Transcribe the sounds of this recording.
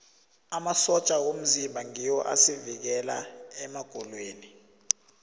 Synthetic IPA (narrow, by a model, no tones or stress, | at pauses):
amasɔt͡ʃʼawom̩zimbʱaŋijɔʔa̰sivik̬ɛlaɛmaɡ̥ʱɔlweːni